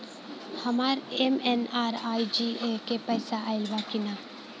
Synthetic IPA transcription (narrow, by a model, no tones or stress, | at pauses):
hɐmaːɾemenaːɾaːid͡ʒiekepəjsaʔaːɪlbakinaː